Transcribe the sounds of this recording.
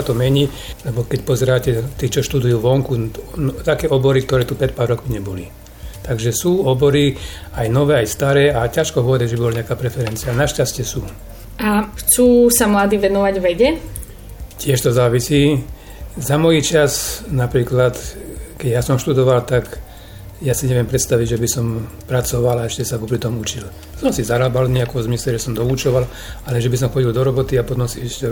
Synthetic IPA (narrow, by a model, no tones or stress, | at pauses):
at̪ɔmɛɲi | lɛbɔkɛcpɔzɛɾaːcɛt̪iːt͡ʃɔʃt̪ud̪ujuːʋɔŋkunt̪akɛːɔbɔɾik̚t̪ɔɾɛːt̪upɾɛt̪̚paːɾːɔkmiɲɛbɔli | t̪aɡʒɛsuːɔbɔɾi | ajnɔʋɛːajst̪aɾɛːacaʃkɔɦɔɔd̪aʒɛbibɔlaɲɛakaːpɾɛfɛɾɛnt͡sianaʃcascɪɛsuː | axt͡suːsamlad̪iːʋɛnɔʋaɟʋɛɟɛ | cɪɛʃt̪ɔzaːʋisiː | zamɔjit͡ʃaznapɾiːklat̪kɛɟjasɔmʃt̪ud̪ɔʋalt̪ak | jasiɲɛʋɪɛmpɾɛt̪st̪aʋiɟʒɛbisɔmpɾat͡sɔʋalaɛʃcɛsakɔpɾit̪ɔmut͡ʃil | sɔmsizaɾaːbalɲɛakɔmzmislɛʒɛsɔmd̪ɔut͡ʃɔʋal | alɛʒɛbis̬ɔmxɔɟild̪ɔɾɔbɔt̪iapɔt̪ɔmsiɛʃcɛ